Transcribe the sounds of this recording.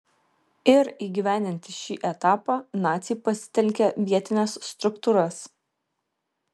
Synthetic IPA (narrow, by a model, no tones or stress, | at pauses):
ɪɾiːɡʲiʋʲæˑnʲd̪ʲɪnʲt̪ʲɪʃʲiːʔɛt̪ɑːpɑːnɑːt̪sʲipɐsʲɪ̥t̪ʲɛlʲkʲɛʋʲiɛt̪ʲɪnʲɛsːt̪ɾʊkt̪uːɾɐs